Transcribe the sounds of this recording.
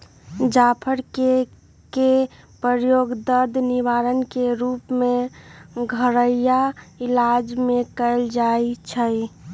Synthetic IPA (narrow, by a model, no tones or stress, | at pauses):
d͡ʒapʰəɾke | ke | pɾəɾjoːɡd̪əɾd̪ʱniʋaːɾənkeɾuːpmẽ | ɡʱəɾəjaɪlad͡ʒmẽkəɪld͡ʒait͡ʃʰəj